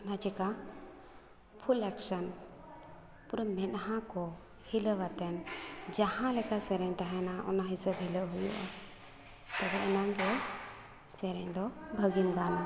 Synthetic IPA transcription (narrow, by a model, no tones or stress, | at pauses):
nad͡ʒɛka | pʰulɛksən | puɾəmɛʔɦãkɔ | hiləwat̪ɛnd͡ʒahãlɛkasɛɾɛɲt̪aɦɛnaʔɔ̰naɦisəbɦɛləʔɦujṵʔa̰ | t̪ɛbɛʔɛnaŋɡɛ | sɛɾɛɲd̪ɔbʱəɡimɡ̪ana